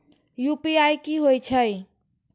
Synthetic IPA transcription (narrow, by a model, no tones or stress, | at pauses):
jupiajkiɦojt͡ʃʰəj